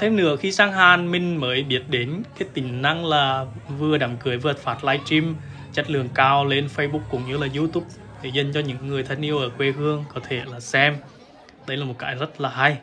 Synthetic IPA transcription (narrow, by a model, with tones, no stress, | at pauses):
t̪ʰe˧mnɨ̰˧˥əxi˧saː˧ŋɦaː˨˩nmï˧ŋ̟məː˨˦jɓi˦˥ət̚ɗe˨˦nkaː˨˦jt̪ï˨˩ŋ̟na˧ŋlaː˨˩vɨ˧əɗaː˨˧˩mkɨ˨˩əjvɨ˧˩˨tfaː˨˩t̚laː˧jt͡ɕi˧m | t͡ɕa˦˥t̚lɨ˨˩əŋkaː˧wle˧nfə˧jɓu˦˥k̚kːʊ̰˧˥ŋ͡mɲɨ˧laː˨˩zi˧t̪u˦˥p̚ɗe˧˩zə˨˧˩nt͡ɕɔ˧ɲɨ̰˧˥ŋːɨ˨˩əjt̪ʰa˧jŋʔi˧əwʔəː˧˩kwe˧hɨ˧əŋkɔ˨˦t̪ʰe˧˩laː˨˩sɛ˧m | ɗə˧˦jlaː˨˩mo˨˩t̚ka̰ː˨˦jzə˦˥t̚laː˨˩ɦa˧j